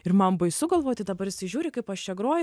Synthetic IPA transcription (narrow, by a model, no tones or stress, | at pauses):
ɪɾmɐmbɐɪsʊɡɐlˠʋoːt̪ʲɪd̪ɐbɐɾɪsʲɪʒʲuːɾʲɪkɐɪpɐʃt͡ʃʲɛɡɾoɔjɪ